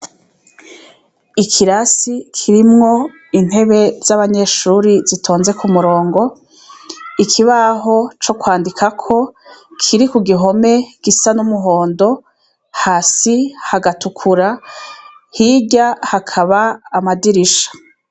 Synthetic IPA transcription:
ikʰiɾasikʰiɾimŋo̞ | in̥he̞βe̞z̥aβaɲe̞ʃuːɾizitʰo̞ːnze̞kumuɾo̞ːŋɡo̞ | ikʰiβaɦo̞t͡ʃo̞kwaːndikʰakʰo̞kʰiɾikuɡiɦo̞me̞ɡ̥isanumuɦo̞ːndo̞ | haːsihaɡatukʰuɾa | hiɟahakʰaβaːmadiɾiʃḁ

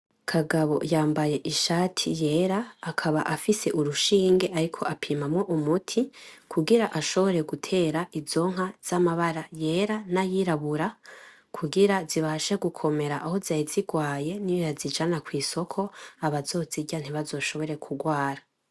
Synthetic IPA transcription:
kʰaɡaβo̞̰jaːmbaje̞ʔiʃaːtʰije̞ːɾaːkʰaβaʔafise̞ʔuɾuʃiːŋɡe̞ʔaɾikʰo̞ʔapʰiːmamŋo̞ʔumutʰikʰuɡiɾaʔaʃo̞βo̞ɾe̞ɡutʰe̞ːɾaʔizo̞ːŋ̥ɦaz̥amaβaɾaje̞ɾanajiɾaβuɾa | kʰuɡiɾaziβaʃeɡukʰo̞me̞ɾaʔaho̞zajiziɡwaːje̞nijjazid͡ʒanakwiːso̞kʰo̞aβazo̞ːziɟan̥iβazo̞ːʃo̞βo̞ɾe̞kʰuɡwaːɾa

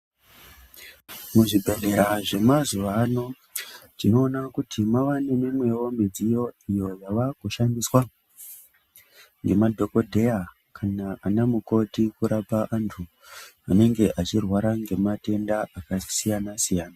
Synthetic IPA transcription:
muʐibʱe̞ɾeɾaʐe̞mazuʋano̞ | ʐino̞ːnakutʰimaʋane̞nemwe̞ʋomed͡zijo̞ijo̞jaʋakuʃandiswa | ŋɡe̞madʱo̞ko̞dʱe̞ja | kʰanaanamuko̞tikuɾapaʔantʰu | ane̞ŋɡe̞ʔat͡ʃirwaɾaŋɡe̞mate̞ndaakasijanasijaːna

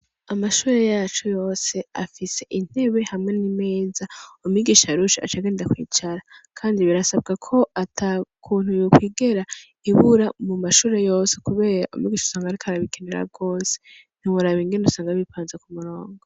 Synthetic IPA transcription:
amaʃuːɾe̞jaːt͡ʃujo̞ːse̞a̰fise̞ʔin̥e̞βe̞hamŋe̞nime̞ːzaumiɡiʃaɾuʃia̰t͡ʃaɡeːndakwḭːt͡ʃaɾakʰaːndiβiɾasab̚ɡakʰo̞atʰakʰuːn̥ujukwiːɡe̞ɾa | iβuɾamumaʃuːɾe̞jo̞ːsekuβe̞ːɾa̰ʔṵmiɡiːʃu̥saːŋɡaɾikʰaɾaβikeneɾa̰ɡo̞ːse̥ | n̥iwuɾaβiŋɡendusaːŋɡaβipaːnzekumuɾoːŋɡo

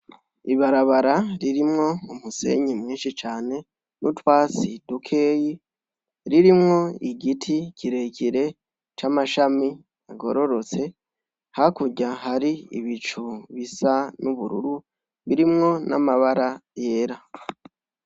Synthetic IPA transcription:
iβaɾaβaɾaɾiɾimŋo̞umuse̞̰ɲimwiːnʃit͡ʃaːne̞ | nutwaːt͡sidukʰe̞ːji | ɾiɾimŋo̞iɡitʰicʰiɾe̞ciɾe̞ | t͡ʃamaʃami | aɡo̞̰ɾo̞ɾo̞t͡se̞ | hakuɟaɦaɾiḭβit͡ʃuβisanuβuɾṵɾu | βiɾimŋo̞na̰maβaɾaje̞ːɾa

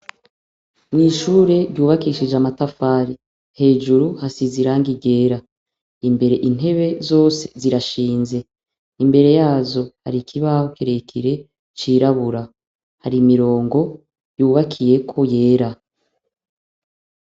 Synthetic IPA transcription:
niʃuːɾe̞ɾɟuːβakiːʃid͡ʒamatafaːɾi | he̞ːd͡ʒuɾuhasiziɾaːŋɡiɟe̞ːɾa | imbe̞ɾe̞ʔin̥e̞βe̞zo̞ːse̞̥ziɾaʃiːnze̞ | imbe̞ɾe̞jaːzo̞ha̰ɾikʰiβaokeɾekʰiɾe̞ | t͡ʃiɾaβuɾa | haɾimiɾo̞ːŋɡo̞ | juːβakʰije̞kʰo̞je̞ːɾa

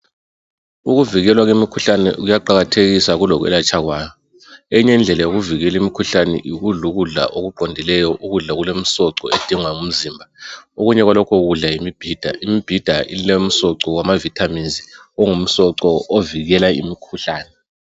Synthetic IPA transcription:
uɣuviɣɛlwaɣemikʰuɬanɛ̰ɣujaǃaɣatʰeɣisaɣulɔɣwɛ̰lat͡ʃʰʼaɣwaːjɔ | eiɲɛnd͡ɮʱɛlajoɣuviɣɛlimikʰuɬanɛ̰ʔiɣuɮuɣuɮa̰ʔoɣuǃʱɔndʱilɛjɔʔuɣuɮaɣulem̩sɔǀɔed̥ʱiŋwaŋum̩ziːmbʱaoɣuɲɛɣwalɔkʰɔɣuɮajimib̥ʱiːd̥ʱa̰ʔimib̥ʱid̥ʱailem̩sɔǀɔwamavitʰaminzi | ɔŋum̩sɔǀɔoviɣɛlaḭmikʰuɬaːnɛ

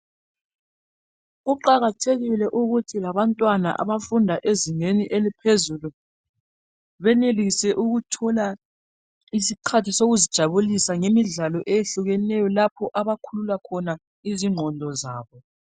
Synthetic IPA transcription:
ɣuǃaɣatʰeɣilɛʔuɣutʰilaβantʼwana̰ʔa̰βafundʱaʔeziŋeniʔelipʰezulu | βɛnelisɛʔuɣutʰɔla | is̬ikʰatʰisoɣuzid̥ʒ̥ʱaβulisaŋemiɮalɔʔejeɬuɣɛnɛjɔlapʰɔʔaβakʰululakʰɔna | iziŋ͡ǃʱɔndʱɔzaːβɔ

